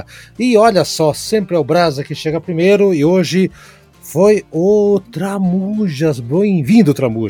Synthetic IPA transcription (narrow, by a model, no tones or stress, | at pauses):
ɪɔʎɐsɔsẽmpɾɪɛʊbɾazɐkɪʃeɡɐpɾimejɾʊɪoʒɪ | fojʊt̪ɾamuʒɐzbẽj̃vĩnd̪ʊt̪ɾamuʒ